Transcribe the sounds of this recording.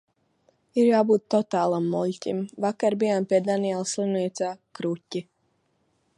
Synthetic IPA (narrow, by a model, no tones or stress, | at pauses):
iɾjaːbuːt̪ːɔt̪aːlˠamːuʎʲtʲimʋakaɾbijampʲɛd̪anijɛlˠslimniɛt̪sakɾucʲi